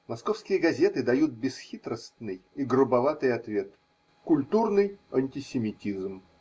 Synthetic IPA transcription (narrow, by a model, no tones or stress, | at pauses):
mɐskofskʲɪjəɡɐzʲe̞t̪ɨd̪ɐjut̪̚bʲɪsxʲit̪ɾəst̪nɨjiɡɾʊbɐvat̪ɨjɐt̪vʲe̞t̪ | kʊlʲt̪urnɨjɐnʲtʲɪsʲɪmʲɪtʲizm